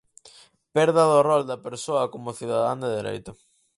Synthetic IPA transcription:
pɛɾðaðorɔld̪ɐpeɾsoɐkomʊθiðaðand̪eðeɾḛjt̪ʊ

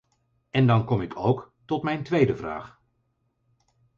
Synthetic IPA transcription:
ɛndɑnkɔmɪkʰowk | tɔtmɛjntʋejdəvra̰ːχ

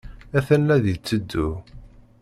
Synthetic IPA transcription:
æθænːæðit͡sːəd̪ːu

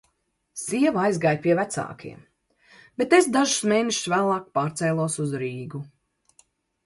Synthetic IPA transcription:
siɛvajzɡaːjpʲiɛvæt̪sa̰ːkʰḭɛm | b̥et̪esd̪aʒu̥smeːneʃsvæːlˠɑːk̚paːɾt̪sɛjlˠuɔsuzɾiːɡu

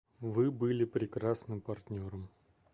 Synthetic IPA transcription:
vɨbɨlʲɪpɾʲɪkɾasnɨmpɐrt̪ʲnʲo̞ɾəm

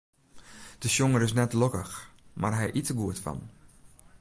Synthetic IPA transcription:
d̥əsjoŋəɾɪs̬nɛtlokə̰xma̰rɦɛjʔitəɡuətfɔ̰n

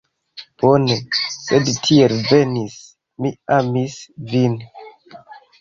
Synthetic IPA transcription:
b̥o̞nese̞dtʰielve̞nis | miamisvin

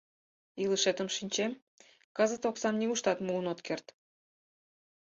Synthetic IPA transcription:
ilɨʃet̪əmʃinʲt͡ɕem | kɑzə̆t̪oksɑnnʲiɣuʃt̪ɑt̪mulənot̪kert̪

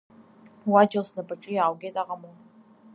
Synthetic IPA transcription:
wad͡ʒalsnabaʈ͡ʂʼijaːwɡʲejtʼaʁɐmon

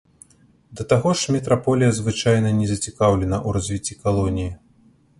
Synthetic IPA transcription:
d̪ɐt̪aɣɔʂmʲɛt̪ɾapɔlʲijɐzvɨt͡ʂajnɐnʲɛzɐt͡sʲikawlʲɛnɐʔuɾazʲvʲit͡sʲːikalˠɔnʲiji

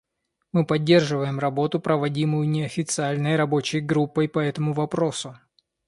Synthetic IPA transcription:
mɨpɐdʲːe̞rʐɨvəjɪmrɐbo̞t̪ʊpɾəvɐdʲimʊjʊnʲɪɐfʲɪt̪sɨalʲnəjɾɐbo̞t͡ɕɪjɡɾupːəjpɐɛt̪əmʊvɐpɾo̞sʊ

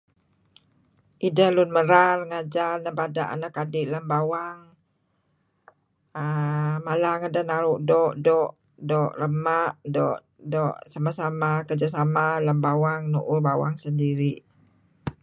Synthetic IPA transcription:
ʔidahlʊnməɾarŋad͡ʒarnəbadaʔa̰nakadɪʔləmbawaŋ | əmalaŋadanaɾuʔdɔʔdɔʔ | dɔʔrəmaʔdɔʔ | dɔʔsamasamakərd͡ʒasamaləmbawaŋnuʔʊrbawa̰ŋsəndiɾiʔ

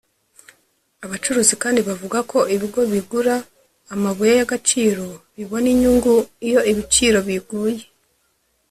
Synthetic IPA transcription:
aβat͡ʃuɾuːzikaːndiβavuɡakʰo̞ʔiβiɡo̞βiɡuɾaː | maβujajaɡat͡ʃiːɾo̞βiβo̞niɲuːŋɡuijo̞iβit͡ʃiːɾo̞βiɡuːje̞

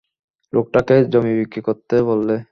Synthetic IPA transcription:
lʔok̚ʈaked͡ʑomibikːɾikoɾt̪ːebolːe

